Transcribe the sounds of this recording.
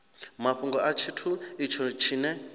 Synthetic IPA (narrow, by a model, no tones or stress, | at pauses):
maɸuŋɡɔʔat͡ʃʰitʰuit͡ʃʰɔt͡ʃʰinɛ